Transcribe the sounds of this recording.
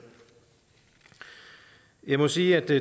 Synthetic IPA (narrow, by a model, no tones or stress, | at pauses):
jɑ̈ɪmɔsiːæd̥